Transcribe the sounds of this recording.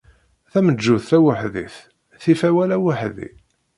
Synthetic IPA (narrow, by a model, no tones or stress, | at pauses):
θæməd͡ʒːʊθθæwəħðḭθ | θifæwælæwəħðḭ